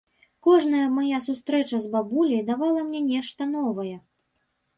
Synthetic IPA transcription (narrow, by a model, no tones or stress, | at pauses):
kɔʐnɐjɐmajasust̪ɾɛt͡ʂɐzbabulʲijd̪avalˠɐmnʲɛnʲɛʂt̪ɐnɔvɐjɛ